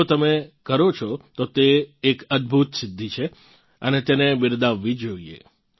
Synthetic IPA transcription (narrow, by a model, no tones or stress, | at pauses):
ot̪əmekəɾot͡ʃʰɔt̪ot̪eːkəd̪̚bʱut̪sɪd̪ʱːit͡ʃʰe | ənet̪enebɪɾd̪aʋːid͡ʒoiḛ